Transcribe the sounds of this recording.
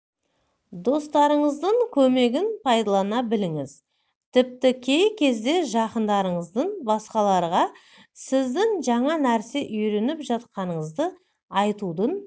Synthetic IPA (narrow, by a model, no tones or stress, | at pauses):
d̪o̞st̪ɑɾəɴəzd̪əɴkʲʰɵme̞ɡʲɪnpʰɑjd̪ɑlˠɑnɑbɪlɪŋɪz̥ | t̪ʰɪp̚t̪ɪkʲʰe̞jkʲʰe̞zd̪e̞ʒɑqənd̪ɑɾəɴəzd̪əɴbɑsqɑlˠɑɾʁɑ | sɪzd̪ɪŋʒɑɴɑnæɾse̞ʔʏjɾe̞nɪpʒɑt̪̚qɑnəɴəzd̪ə | ɑjt̪ud̪ən